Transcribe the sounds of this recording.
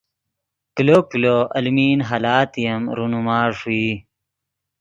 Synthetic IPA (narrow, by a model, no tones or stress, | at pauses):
kilokiloɐlmiːnɦalaːt̪ijɐmɾunumaːʂuiː